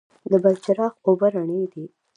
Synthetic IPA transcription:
d̪əbalt͡ʃaɾɑxobaɾaɳəd̪i

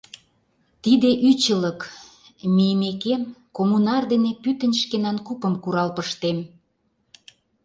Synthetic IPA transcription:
t̪id̪eʔyt͡ɕələk | mijmekemkomunɑrd̪enepyt̪ə̆nʲʃkenɑnkupə̆mkuɾɑlpəʃt̪em

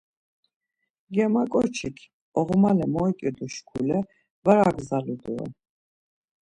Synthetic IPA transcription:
ɡɛmakʼɔɾt͡ʃʰikʰ | ɔʁmalɛmɔikʼid̪uʃkʰulɛ | vaɾaɡzalud̪uɛ̰

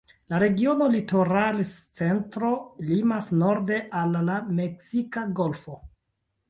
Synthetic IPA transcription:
laɾe̞ɡio̞no̞lito̞ɾalst͡se̞ntɾo̞limasno̞ɾde̞ʔalːame̞ksikaɡo̞lfo̞

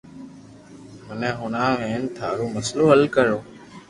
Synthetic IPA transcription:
mənɛ̃ːɦʊnãːʋẽːnt̪ʰa̰ːɾoːməsloːəlkəɾoː

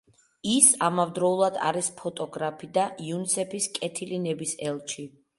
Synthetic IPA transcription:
isamavd̪ɾɔulˠad̪a̰ɾispʰɔt̪ʼɔɡɾapʰid̪ajunisɛpʰiskʼɛt̪ʰilinɛbisɛlˠt͡ʃʰi

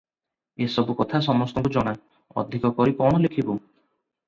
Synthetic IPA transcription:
esɔbukɔt̪ʰasɔmɔst̪ɔŋkud͡ʒɔɽ̃a | ɔ̰d̪ʱikɔkɔɾikɔɽ̃ɔlekʰibu

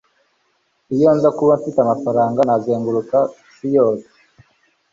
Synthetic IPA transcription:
ijoːnzakuβaɱfitamafaɾaːŋɡanazeːŋɡuɾuka | sijoːse̥

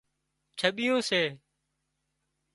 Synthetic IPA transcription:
t͡ʃʰəɓɪjõːseː

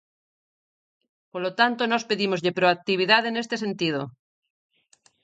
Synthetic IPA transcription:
poɾlot̪ant̪onospeðimo̞zʎepɾoak̚t̪iβ̞iðaðene̞st̪e̞se̞nt̪ið̞o

